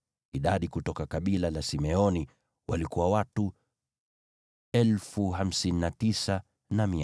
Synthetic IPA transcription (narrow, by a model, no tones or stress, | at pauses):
iɗaɗikutɔkakaɓilalasimɛɔni | walikuwawatu | ɛlfuɦam̩sininatisa | nami